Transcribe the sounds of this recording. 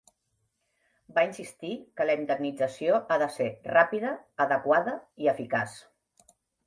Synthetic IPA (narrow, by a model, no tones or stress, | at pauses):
bainsist̪ikələind̪əɡnid͡zəsioʔaðəserapiðəːðəkwaðəiəfikas